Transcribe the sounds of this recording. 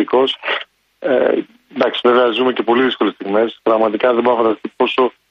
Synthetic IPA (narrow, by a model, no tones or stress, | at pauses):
iko̞s | ḛ | nd̪ɐksive̞veɐzume̞ce̞po̞liðisko̞le̞st̪iɣme̞spɾɐɣmɐt̪ikɐðeboɾnɐfɐd̪ɐst̪ipo̞so̞